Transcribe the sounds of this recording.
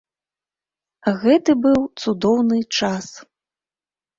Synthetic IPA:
aɣɛt̪ɨbɨwt̪sud̪ɔwnɨt͡ʂas

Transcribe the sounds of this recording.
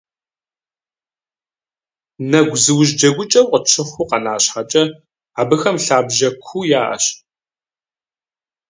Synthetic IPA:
nɐɡʷzɨwʑd͡ʒɐɡʷʊt͡ʃʼɐwqʼət͡ʃʰɨχʷʊqɐnaːɕħat͡ʃʼɐ | aːbɨxɐmɬaːbʒɐkʷʰuːjaːʔɐ̰ɕ

